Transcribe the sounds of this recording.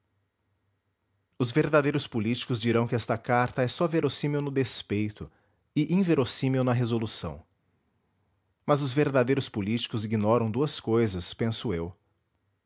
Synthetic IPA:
ʊzveɾd̪ad̪ejɾʊspulit͡ʃi̥kʊzd͡ʒiɾɐ̃w̃kɪɛst̪ɐkaɾt̪ɐɛsɔveɾosĩmewnʊd̪espejt̪ʊ | ɪʔĩveɾosĩmewnɐɦezolusɐ̰̃w̃ | mɐzʊzveɾd̪ad̪ejɾʊspolit͡ʃi̥kʊziɡinɔɾɐ̃w̃d̪uɐskojzɐspẽsʊew

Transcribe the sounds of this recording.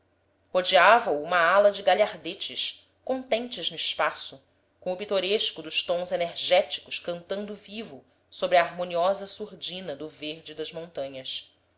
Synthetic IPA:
hod͡ʒiavɐuũmɐalɐd͡ʒɪɡaʎaɾd̪et͡ʃɪʃ | kõnt̪ẽnt͡ʃɪznʊiʃpasʊ | kõʊpit̪oɾeʃkʊd̪ʊʃt̪õw̃zeneɾʒɛt͡ʃi̥kʊʃkɐ̃nt̪ɐ̃nd̪ʊvivʊ | sobɾɪɐːɾmõniɔzɐsuɾd͡ʒĩnɐd̪ʊveɾd͡ʒɪd̪ɐzmõnt̪ɐ̃ɲɐs

